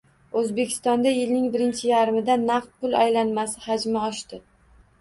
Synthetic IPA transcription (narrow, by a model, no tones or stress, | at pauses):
ɵzbe̞kʲʰɪ̥st̪ɒnd̪ajɪlnɪŋbɪɾɪnt͡ʃʰɪjaɾɪmɪd̪anːaft̪̚pʊlajlanmasɪhad͡ʒmɪɒʃt̪ɪ